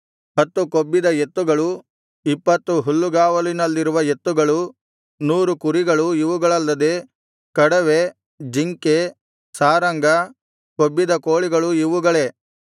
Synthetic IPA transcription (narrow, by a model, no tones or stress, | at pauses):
hɐt̪ːukobːid̪ɐet̪ːuɡɐɭu | ipːɐt̪ːuɦulːuɡaːʋɐlinɐlːiɾuʋɐe̞t̪ːuɡɐɭu | nuːɾukuɾiɡɐɭuiʋuɡɐɭɐlːɐd̪e̞ | kɐɽɐʋe | d͡ʒiŋke | saːɾɐŋɡɐ | kobːid̪ɐkoːɭiɡɐɭuiʋuɡɐɭe̞